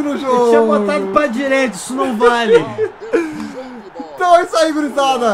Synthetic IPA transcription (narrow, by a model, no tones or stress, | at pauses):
nʊʒot͡ʃĩbot̪ad̪ʊpɾɐd͡ʒiɾejt̪ɐi̥sʊnɐ̃w̃valɪ | t̪ɐ̃w̃ɛsaiɡɾit̪ad̪ɐ